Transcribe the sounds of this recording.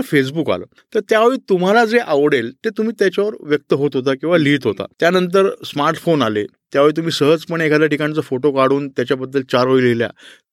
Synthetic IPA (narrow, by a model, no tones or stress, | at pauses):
fes̬buka̰lə̰ː | t̪əɾt̪jaʋeɭiːt̪um̤alad͡zeʔaʋɽelt̪et̪um̤iːt̪jat͡ɕaʋəɾʋjək̚t̪əɦot̪ɦot̪akĩʋaliːʈɦot̪a̰t̪janənt̪̬əɾsmaɾʈfonalet̪jaʋeɭit̪̬um̤iːsəɦəd͡zpəɳekʰad̪jaʈikãit͡səfoʈokaɽ̤uːnt̪jat͡ɕjabəd̪ːəlt͡ɕaɾɦoilelja̰